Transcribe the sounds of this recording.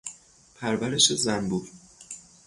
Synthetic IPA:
pʰæɾvæɾe̞ʃe̞zænbuɾ

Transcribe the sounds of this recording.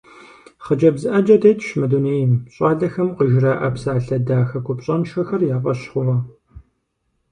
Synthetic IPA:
χəd͡ʒɐbzɨʔɐd͡ʒɐdɐjtʰʼʃmɐduneːjɪmɕʼaːɮɐxɐmqəʒɪraːʔɐpsaːɬɐdaːxɐkʷʊpɕʼɐnʃɐxɐrjaːfʼɐɕχʷʊʁɐ

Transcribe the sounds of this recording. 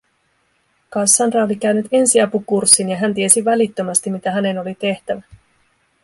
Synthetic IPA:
kɑsːɑnrɑolik̟æynyt̪e̞nsiɑpukursːinjɑɦænt̪ie̞siʋælit̪ːømæst̪imit̪æɦæne̞no̞lit̪e̞ht̪æʋæ

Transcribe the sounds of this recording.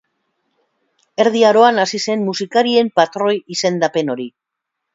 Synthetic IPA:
e̞ɾð̞iaɾo̞anasise̞nmusikaɾie̞mpat̪ɾo̞jise̞nd̪ape̞no̞ɾi

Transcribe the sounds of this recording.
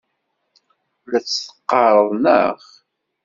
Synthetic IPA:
læt͡sːθə̥qːɑɾˤəðˤnə̰ʁ

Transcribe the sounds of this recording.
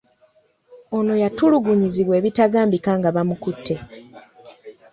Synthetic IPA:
o̞no̞jatuluɡuɲiziβwe̞ːβitaɡaːmbikaːŋɡaβamukutʰːe̞

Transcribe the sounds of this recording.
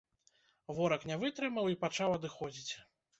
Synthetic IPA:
vɔɾɐknʲɛvɨt̪ɾɨmɐwipat͡ʂawɐd̪ɨxɔd͡zʲit͡sʲ

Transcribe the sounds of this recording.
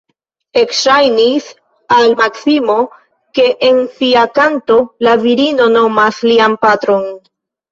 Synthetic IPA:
e̞kʃajnis | almaksimo̞ | ke̞ʔensiakanto̞laviɾino̞no̞maslianpatɾo̞n

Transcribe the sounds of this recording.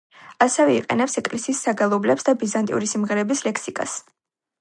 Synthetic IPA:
asɛvɛiqʼɛ̰nɛpsɛkʼlɛsiːsːaɡalˠɔblɛpsd̪abizant̪ʼḭṵɾisimʁɛɾɛbislɛkʰsikʼa̰s

